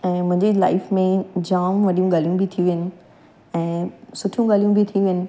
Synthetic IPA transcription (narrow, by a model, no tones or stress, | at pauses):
ɛ̃ːm̃ɦɪ̃ɲd͡ʑela̰ːɪfmẽd͡ʑaːmʋɐɗijũɡaːlijũbʱit̪ʰiũʋɪnɪ̆ | ɛ̃ːsʊʈʰjũɡaːljũbʱit̪ʰijũʋɪnɪ̆